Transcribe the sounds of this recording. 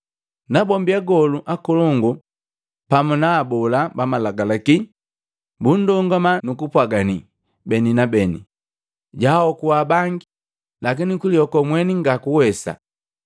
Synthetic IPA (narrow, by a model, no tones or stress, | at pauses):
nabɔmbiaɡɔluʔakɔlɔŋɡu | pamunaːbɔlabamalaɡalaki | bun̩dɔŋɡamanukupwaɡani | bɛninabɛnḭ | ɟaɔkuwabaŋɡi | lak̬inikuliɔkɔmwɛniŋɡakuwɛsa̰